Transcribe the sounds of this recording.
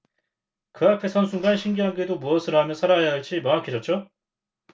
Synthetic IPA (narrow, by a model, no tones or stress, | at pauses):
kɯapʰe̞sʰʌnsʰuŋɡanɕʰiŋɡiɦanɡe̞domuʌsʰɯɾoɦamjʌnsʰaɾaɦajadɯɭt͡ɕ͈imʌnakʰid͡ʑʌt̚t͡ɕ͈o